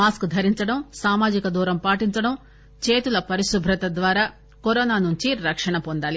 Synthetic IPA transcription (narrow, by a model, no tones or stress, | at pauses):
maːskd̪ʱɐɾiɲt͡ʃɐɽɐmsaːmaːd͡ʒikɐd̪uːɾɐmpaːʈiɲt͡ʃɐɽɐm | t͡ʃeːt̪ulɐpɐɾiʃubʱɾɐt̪ɐd̪ʋaːɾaː | koɾɔːnaːnuɲt͡ʃiɾɐkʂɐɳɐpond̪aːli